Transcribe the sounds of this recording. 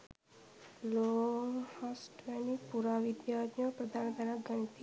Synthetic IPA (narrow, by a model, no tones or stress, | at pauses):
lohasʈʋenipuɾaʋid̪jad̪jɔpɾəd̪ʱand̪ʱaɾaɡənt̪i